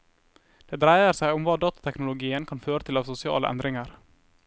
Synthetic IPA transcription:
d̪̥eːd̪ɾæɪəɾsæɪʊmʋɑːd̪ɑːt̪ɑt̪ʰɛknʊlʊɡiːənkʰɑnføːɾət̪ʰɪlɑːʋsʊsɪɑ̰ːlə̰ʔæ̰nd̪ɾɪŋəɾ

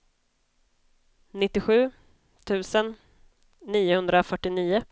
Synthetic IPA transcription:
nɪt̪ːɪɧʉ̟ː | t̪ʰʉ̟ːsənː | iːʊhɵnd̪ɾafœʈːɪniːʊ

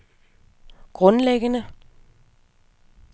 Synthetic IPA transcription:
ɡ̥ʁɔ̽nleɡ̥ənə

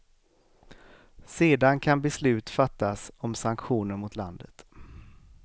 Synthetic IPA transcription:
seːd̪ankʰanbɛslʉ̟ːt̪fat̪ːasɔmsaŋkɧuːnəɳmʊt̪la̰nd̪ət̪

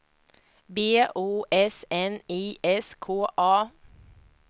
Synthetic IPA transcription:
beːʔuːʔɛsɛniːʔɛskʰoːʔɑː

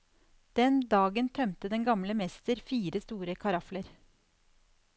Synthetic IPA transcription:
d̪̥ɛnd̪ɑːɡənt̪ʰœmt̪əd̪ɛnɡɑmləmɛst̪əɾfiːɾəst̪uːɾəkʰɑɾɑfləɾ

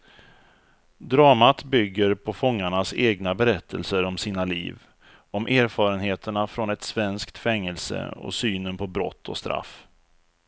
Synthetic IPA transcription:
d̪ɾɑːmat̪bʏɡːəɾpʰɔfɔŋːaɳaseːɡnabɛɾɛt̪ʰːəlsəɾɔmsiːnalḭːv | ɔmʔeːɾfɑːɾənheːt̪ʰəɳafɾɔnɛt̪svɛnskt̪fɛŋːəlsə̰ɔ̰syːnənpʰɔbɾɔ̰t̪ʰːɔ̰st̪ɾa̰f

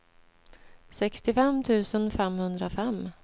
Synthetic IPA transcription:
sɛkst̪ɪfɛmt̪ʰʉ̟ːsənfɛmhɵnd̪ɾafɛmː

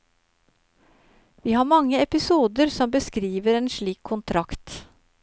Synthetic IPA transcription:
ʋiːhɑːɾmɑŋːəɛpɪsuːd̪əɾsɔmbəskɾiːʋəɾeːnʃɭiːkʰːʊnt̪ʰɾɑkt̪

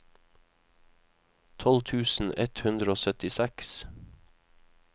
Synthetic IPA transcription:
t̪ʰɔlt̪ʰʉːsn̩ɛt̪hʉnd̪ɾəoːsœt̪ɪsæks

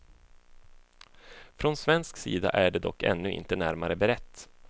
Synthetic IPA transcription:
fɾɔnsvɛnsksḭːd̪a̰ʔæɖɛd̪ɔ̰kːɛ̰nːɵɪ̰nt̪ənæɾmaɾəbɛɾɛt̪ː

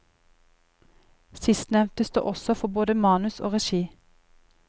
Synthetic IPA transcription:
sɪst̪nɛʋt̪əsd̪ṵːʔɔsɔfɔboːd̪əmɑːnʉso̰ːʁɛʃiː

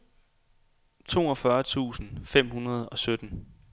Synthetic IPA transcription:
t͡sʰo̝̰ːɒfɶɐt͡sʰṵːsn̩fem̰hunɐð̞̩ˠɒ̽sød̥n̩

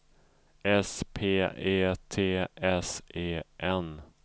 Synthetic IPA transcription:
ɛspʰeːeːt̪ʰeːɛseːʔɛn

